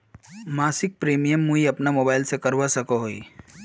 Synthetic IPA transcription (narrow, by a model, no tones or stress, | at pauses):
maːsɪk̚pɾiːmijəmːuiɐpnamoːbaːɪlsekɐɾwasɐkoɦoḭː